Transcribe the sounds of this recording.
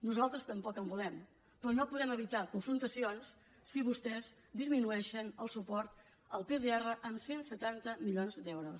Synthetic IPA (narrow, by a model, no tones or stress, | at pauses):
nuzalˠt̪ɾəst̪əmpɔkəmbulɛm | pɾɔnopuðɛməβ̞it̪akuɱfɾunt̪əsionsː | iβust̪ɛz | d̪izminuɛʃənəlˠsupɔɾt̪ | əlˠpeðeɛrəʔəmsensət̪ant̪əmiʎonzd̪ɛwɾus